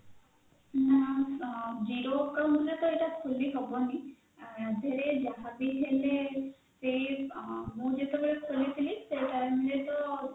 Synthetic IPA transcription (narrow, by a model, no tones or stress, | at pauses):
na | d͡ʒiɾokamd̪ulet̪ɔeʈasʰuliɦɔbɔni | ad̪ʱaɾed͡ʒaɦabiɦʰele | se | mũd͡ʒet̪ebaɾekʰolit̪ʰiliseʈamlet̪ɔ